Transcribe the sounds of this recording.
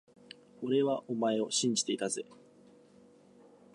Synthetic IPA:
o̞ɾe̞βaʔo̞mae̞o̞ɕĩɲ̟d͡ʑi̥t̪e̞it̪azɨ

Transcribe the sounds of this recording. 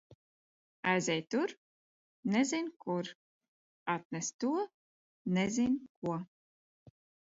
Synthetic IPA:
ajzʲɛjt̪uɾ | nɛzʲinʲkuɾ | at̪nɛst̪uɔ | nɛzʲinkuɔ

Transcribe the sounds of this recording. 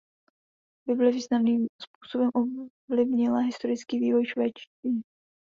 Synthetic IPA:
bɪblɛviːznamniːmspu̥ːsobɛmʔov | lɪvɲɪlaɦɪst̪o̞ɾɪt͡skiːviːvo̞jʃvɛːt͡ʃtviː

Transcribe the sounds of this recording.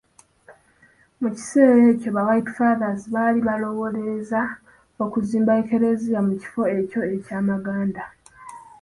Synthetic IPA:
muci̥se̞ːɾe̞co̞βawajtfaːðaziβaːliβalo̞wo̞le̞za | o̞kuziːmbaeke̞ɾe̞zijamuci̥fo̞e̞co̞e̞caːmaɡaːnda

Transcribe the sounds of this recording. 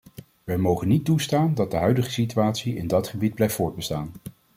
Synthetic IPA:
ʋɛjmowχənitustaːndɑd̚dəɦœɥdəχə̥sityaːtsiɪ̰ndɑtχəbid̚blɛjftvʊːɹd̚bəstaːn

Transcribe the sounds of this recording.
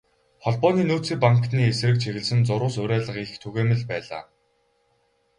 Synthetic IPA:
χɔɮpɔːniːnuːt͡siːpaŋkniːesrɘ̆k̚t͡ɕʰiɣɘ̆ɮsɘ̆nt͡sʊɾʊːsʊɾæːɮə̆qixt̪ʰuɣeːmɘ̆ɮpæːɮa̰ː

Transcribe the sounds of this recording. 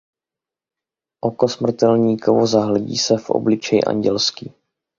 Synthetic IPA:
ʔo̞kosmr̩t̪ɛlɲiːkovozaɦlɛɟḭːsɛfʔo̰blɪt͡ʃɛjɪ̰ʔa̰ɲɟɛlskiː

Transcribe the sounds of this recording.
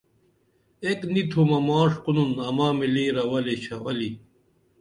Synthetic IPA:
eknit̪ʰumɐmaːʂqununɐmaːmiliːɾɐwɐleɕʰɐwɐli

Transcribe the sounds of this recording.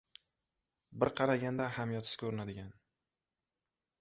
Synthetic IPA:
bɪɾqʰɑɾaɡʲand̪ahamjɒt̪ʰɪ̥kʲʰɵɾɪnad̪ɪɡʲan

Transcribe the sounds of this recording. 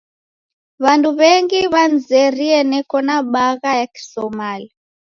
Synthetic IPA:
βanduβɛŋɡiβand͡zɛɾiɛnɛkɔnaɓaɣajaki̥sɔmalia

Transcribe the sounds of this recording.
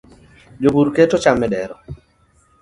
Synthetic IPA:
d͡ʒobuɾketɔt͡ʃamːɛdɛɾɔ

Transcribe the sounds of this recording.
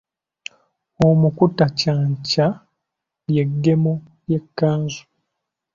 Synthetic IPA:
omukutacaːɲca | jeɡːe̞mo | je̞kːaːnzu̥

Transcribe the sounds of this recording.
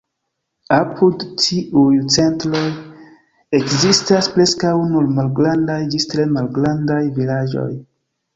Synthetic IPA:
apʰudtiʔujt͡se̞ntɾo̞j | ekzistaspɾe̞skawnuɾmalɡɾandajd͡ʒistɾe̞malɡɾandajvilad͡ʒo̞̰j

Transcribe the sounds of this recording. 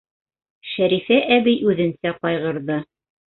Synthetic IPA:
ʃæɾifæʔæbijʔʉðɘ̆nsæqɒjʁɤ̆ɾðɤ

